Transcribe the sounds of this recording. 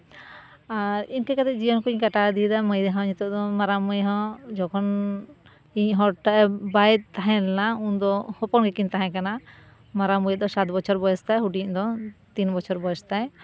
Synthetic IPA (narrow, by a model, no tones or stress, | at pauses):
aɾiɲkɛkat̪ɛʔd͡ʒijɔnkuɲkaʈad̪id̪aməjd̪ɛɦãɲit̪ɔd̪ɔmaɾamɔjɦɔ̃d͡ʒɔkʰɔn | iɲɦɔʈaʔɛbajt̪̚t̪aɦɛ̃lɛnaund̪ɔhɔpɔnɡɛkint̪aɦɛ̃kana | maɾaməjd̪ɔsat̪bɔt͡ʃʰɔɾbɔɛst̪ajɦuʈiɲd̪ɔt̪inbɔt͡ʃʰɔɾbɔɛst̪aj